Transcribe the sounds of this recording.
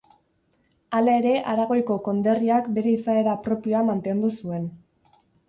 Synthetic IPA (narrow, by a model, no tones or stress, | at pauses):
alae̞ɾe̞ʔaɾaɣ̞o̞jko̞ko̞nd̪e̞riakbe̞ɾe̞isae̞ɾapɾo̞pio̞amant̪e̞nd̪usue̞n